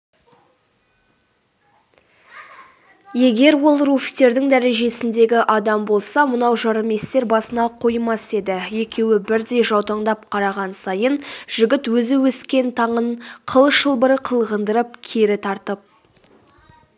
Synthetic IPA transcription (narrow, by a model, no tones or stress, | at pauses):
je̞ɡʲe̞ɾwo̞lˠɾufʲi̥t̪e̞ɾd̪ɪŋd̪æɾe̞ʒe̞sɪnd̪e̞ɡʲɪʔɑd̪ɑmbo̞lˠsɑmənɑwʒɑɾəme̞st̪e̞ɾbɑsənɑqʰo̞jmɑse̞d̪ɪje̞kʲʰe̞wɪbɪɾd̪e̞jʒɑwt̪ɑɴd̪ɑp̚qʰɑɾɑʁɑnsɑjənʒ̥ɪɡʲɪt̪wɵzɪwɵskʲe̞nt̪ʰɑɴəɴqʰəlˠəʃəlˠbəɾəqʰəlˠʁənd̪əɾəp̚kʲʰe̞ɾɪt̪ʰɑɾt̪əp̚